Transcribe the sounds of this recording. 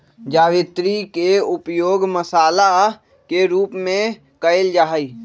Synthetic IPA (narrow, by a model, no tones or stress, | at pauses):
d͡ʒaːʋit̪ɾikeupjoːɡməsaːla | keɾuːpmẽ | kəeld͡ʒaːɦəi